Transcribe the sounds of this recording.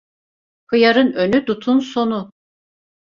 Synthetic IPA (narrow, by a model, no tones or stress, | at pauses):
kʰɯjaɾɯnø̞nyd̪ut̪ʰunso̞nu